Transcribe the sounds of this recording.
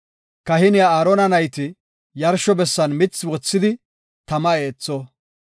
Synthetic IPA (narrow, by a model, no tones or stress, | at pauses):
kɐhɪnɪɐaːɾɔnɐnɐjt̪ɪ | jɐɾʃɔbɛsːɐnmɪt͡sːwɔt͡sːɪd̪ɪ | t̪ɐmɐe̞ːt͡sːɔ